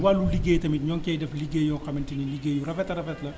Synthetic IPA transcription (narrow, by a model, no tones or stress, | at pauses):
waːluliɡeːjtɐmitɲɔŋkɛdɛfliɡeːjɔkɐmintiniliɡeːjuɾɐfɛtɐɾɐfɛtlɐ